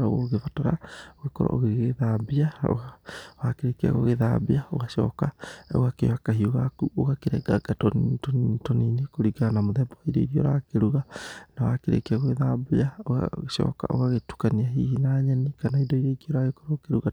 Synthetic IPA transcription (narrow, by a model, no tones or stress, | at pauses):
ɾaɣoɣefataɾa̰oɣekɔɾɔ̰o̰ɣeɣɣeðabiao̰awakeɾekea̰ɣoɣeða̰biao̰ɣaʃɔ̰kao̰ɣakḛwakaɦioɣakuoɣakeɾɛ̰ɡaɡatɔntɔntɔninekoɾiɡanamoðɛbɔaiɾɔiɾiɔ̰ɾakeɾuɣanawakeɾḛkeaɣoɣeðabiao̰ʃɔ̰ːka̰ʔo̰ɣaɣetu̥kaniaɦihinaːɲɛnikanaidɔiɾɔiɣiɔɾaɣekɔɾɔːkeɾuɣa